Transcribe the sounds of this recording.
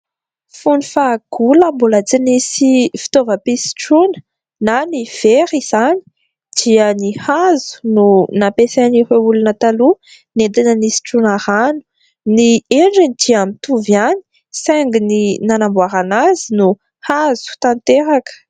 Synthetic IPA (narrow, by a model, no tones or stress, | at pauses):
funifaɡ̥uləmbulət͡sinisifi̥t̪ovəpisi̥ʈ͡ʂunə̥ | naniv̥eɾiz̥ani̥ | d̪̥iənihazu̥nunapeseniɦeulunət̪alu | nend̪inənisi̥ʈ͡ʂunaɾanu̥ | nieɳɖ͡ʐinid̪iamit̪uvjani̥ | seŋɡininanambwaɾanazinu | hazu̥t̪ant̪eɾakə̥